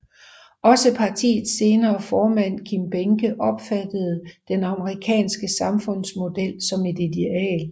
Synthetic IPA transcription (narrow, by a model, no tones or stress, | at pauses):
ʔɒ̽səpʰɑ̈t͡sʰḭːð̩ˠse̝ːnɐːfɒːmæn̰kʰimb̥eŋɡ̥əʔɒ̽b̥fæd̥əð̞̩ˠd̥enɑ̈məʁikʰɛ̰ːnsɡ̥əsɑ̈mfɔ̽n̰smo̝d̥el̰sɒ̽me̝d̥id̥eɛ̰ːl